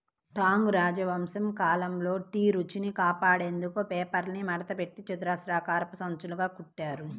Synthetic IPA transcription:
ʈaːŋɡɾaːd͡ʒɐʋɐmsɐmkaːlɐmlo̞ːʈiːɾut͡ʃinikaːpaːɽe̞ːnd̪ukupɛːpɐɾnimɐɽɐt̪ɐpe̞ʈːit͡ʃud̪ɾaːsɾaːkaːɾpɐsɐnt͡ʃuluɡaːkuʈːaːɾu

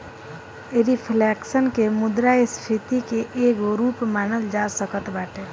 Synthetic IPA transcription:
ɾipʰleːksənkemʊd̪ɾajst̪ʰit̪ikeʔeːɡoɾuːpmaːnəld͡ʒaːsəkət̪baːʈʰeː

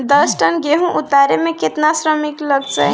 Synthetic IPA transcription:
d̪ʌsʈənɡeɦũʔut̪aɾemeket̪nasɾəmikləɡt͡ʃə̰

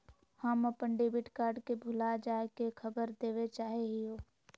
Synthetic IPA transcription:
həmɐpəɳɖebɪʈkaːɾɖkebʱʊlad͡ʒaːekekʰəbəɾd̪eːʋet͡ʃaːɦeɦioː

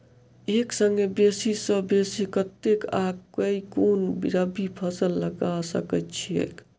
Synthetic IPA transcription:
eksəŋɡebesisəbesikət̪ːekaɡkəikonbḭɾəbipʰəsəlːəɡasəkət̪t͡ʃʰiḛk

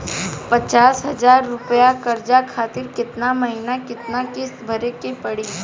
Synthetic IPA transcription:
pɐt͡ʃaːsɦɐzaːɾːʊpjakɐɾd͡ʒakʰaːt̪ɪɾkɪt̪namɐɦinakɪt̪nakɪsbʱɐɾekepɐɽiː

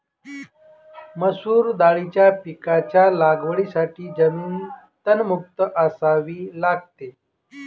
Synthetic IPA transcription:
məsuːɾd̪aɭit͡ɕjapikat͡ɕjalaɡʋəɭisaʈiːd͡ʑəmiːn | t̪ənmuk̚t̪əʔəsaʋiːlaɡ̚t̪e

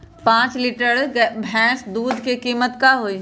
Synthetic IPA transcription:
pãːt͡ʃliːʈəɾbʱɛ̃ːsd̪uːd̪ʱkekiːmət̪kaɦoiː

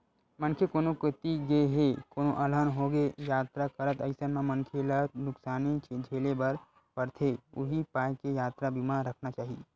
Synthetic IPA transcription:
mɐ̃nkʰjekoːnokɪt̪iɡeɦekoːnoʔɐlənɦoɡejaːt̪ɾakɐɾət̪ɐɪsənmẽmə̃nkʰelənʊksaːnit͡ʃed͡ʒʱeːlebɐɾ | pəɾt̪ʰeʊ̰ɦipaːjkejaːt̪ɾabimaːɾɾɐkʰnat͡ʃaːɦie

